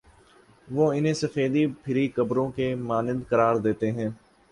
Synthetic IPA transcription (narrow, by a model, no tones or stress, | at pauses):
ʋoːɪnẽːsəfeːd̪ipʰɪɾikəbɾõkemaːnɪnd̪kɐɾaːɾd̪eːt̪eɦɛ̃ː